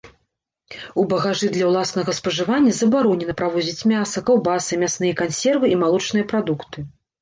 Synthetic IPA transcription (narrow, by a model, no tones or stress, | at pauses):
ubɐɣaʐɨd̪lʲɐwlˠasnɐɣɐspɐʐɨvanʲːɐzɐbaɾɔnʲɛnɐpɾavɔzʲit͡sʲmʲasɐkɐwbasɨmʲasnɨjɐkansʲɛrvɨimalˠɔt͡ʂnɨjɐpɾad̪ukt̪ɨ